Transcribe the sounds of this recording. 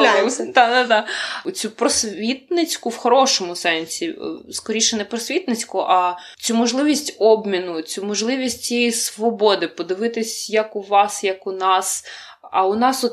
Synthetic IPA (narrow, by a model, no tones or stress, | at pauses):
d̪ɑd̪ad̪ɑt͡sʲupɾɔsʲʋʲit̪̚nɪt͡sʲkʊwxɔɾɔʃɔmʊsɛnʲsʲiskɔɾʲiʃɛnɛpɾɔsʲʋʲit̪nɪt͡sʲkʊʔɐ | t͡sʲumɔʒlˠɪʋʲisʲtʲɔbmʲinʊt͡sʲumɔʒlˠɪʋʲisʲtʲt͡sʲijɛjisʋɔbɔd̪ɪpɔd̪ɪʋɪt̪ɪsʲjɐkʊʋɑsjɐkʊnɑs | ɐʊnɑsɔt̪